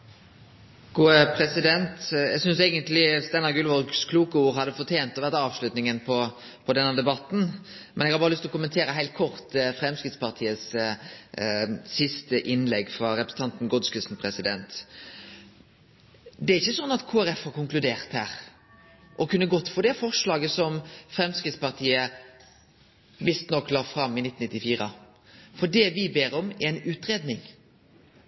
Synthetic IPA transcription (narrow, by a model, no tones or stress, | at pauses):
ɡ̥uːəpʰɾɛsɪd̪ɛnt̪ɛ̰ɡsʏnseɪɡənt̪lɪst̪ɛnːɑɡʉlʋɔʁɡskʰluːkəuːɾhɑd̪ːəfɔʁt̪ʰeːnt̪ɔʋæʁt̪ɑːʋʂlʉt̪nɪŋənpʰɔ | pʰɔd̪ɛnːəd̪ɛbɑt̪n̩ | mʔɛnɛɡhɑɾbɑːɾəlʏst̪ɔkʊmːənt̪ʰeːɾəɦæɪlt̪̚kʰɔʁt̪fɾɛmskɾɪt̪spʰɑʁt̪ʰiːəs | sɪst̪əʔɪnlɛɡːfɾɑɾɛpɾəsn̩t̪ɑnt̪n̩ɡɔd̪skəsn̩pʰɾɛsɪd̪ɛnt̪ | d̪ɛæɾɪçːəsɔnːɑt̪kʰoːæɾɛfhɑɾkʊŋklʉd̪eːʁt̪hæːɾ | ʔɔkʉnːəɡɔt̪ːfɔd̪ɛfɔʁʂlɑːɡəsɔmfɾɛmskɾɪt̪spɑʁt̪ʰiːə | ʋɪst̪nɔkːlɑːʁfɾɑmːɪnɪt̪ːn̩nɪt̪ːɪfiːɾə | fɔdɛʋɪbeːɾɔmɛɛɪnʉːt̪ɾeːd̪nɪŋ